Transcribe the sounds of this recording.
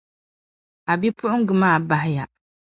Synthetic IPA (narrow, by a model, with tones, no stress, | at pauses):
a˨bi˦pʊ˦ʔʊ˦ŋ˦ɡʊ˨maː˦˨ba˦ɦɪ˦ja˨